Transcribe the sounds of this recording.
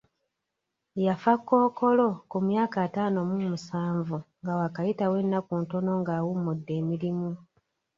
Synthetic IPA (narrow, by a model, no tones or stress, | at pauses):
jafakːo̞ːko̞lo̞kumjaːkaːtaːno̞mumusaːɱvuŋɡawakajitawe̞nːakunto̞no̞ŋɡaːwumudːe̞ːmiɾimu